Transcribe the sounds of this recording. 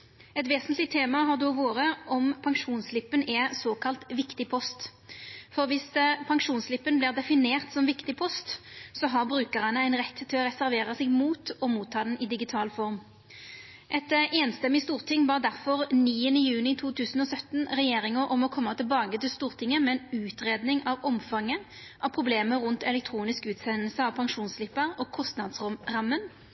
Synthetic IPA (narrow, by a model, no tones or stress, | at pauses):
ɛt̪ʋeːsənt̪lɪt̪ʰeːmɑɦɑʁd̪oʋoːɾəʔɔmpʰɑŋʂuːnslɪpːənɛsoːkʰɑlt̪ʋɪkt̪ɪpʰɔst̪fɔʁʋɪspʰɑŋʂuːnslɪpːənbliːʁd̪ɛfɪneːʁt̪sɔmʋɪkt̪ɪpʰɔst̪sɔɦɑʁbɾʉːkəʁɑnəæɪnʁɛt̪ːt̪ʰːɪlɔʁɛsæɾʋeːʁɑsɪɡmuːt̪ɔmuːt̪ʰːɑːd̪ɛnɪd̪ɪɡɪt̪ʰɑːlfɔʁm | ʔɛt̪eːnst̪ɛmːɪst̪uːʁt̪ʰɪŋːbɑːʁd̪æʁfɔʁniːənəjʉːnɪt̪ʰuːt̪ʰʉːsən̩ɔsœt̪nʁɛjeːɾɪŋəɾʔɔmɔkʰɔmːɑt̪ɪlbɑːɡət̪ɪlst̪uːʁt̪ʰɪŋːəmɛɛnʉːt̪ʁeːd̪nɪŋʔɑʋɔmfɑŋːə | ʔɑʋpʰʁʊbleːməɾʊnt̪ɛlɛkt̪ʰɾuːnɪskʉːt̪sɛnəlsəɑʋpʰɑŋʃuːnsslɪpːəʁɔːkʰɔst̪nɑd̪sʁɔmʁɑmːən